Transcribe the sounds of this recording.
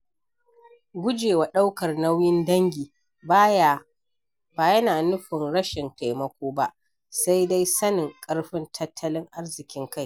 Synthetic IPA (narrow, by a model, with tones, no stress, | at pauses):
ɡʷʊ˦d͡ʒeː˨wa˨ɗa˦wkɐ˨rna˦wjɪ˦ndɐ˦ŋɡʲiː˨ | ba˦ja˦˨ | b̥aː˨jɐ˦naː˨nʊ˦ɸɪ˨nɽɐ˦ʃɪ˨nta˨jmɐ˦kʷoː˦ba˦ʔ | sa˦jda˦jsɐ˦nɪ˨ŋkʼɐ˦ɽɸɪ˦ntʰɐ˦tʰːɐ˦lɪ˦ŋʔa˦rzɪ˨kʲɪ˦ŋka˦˨j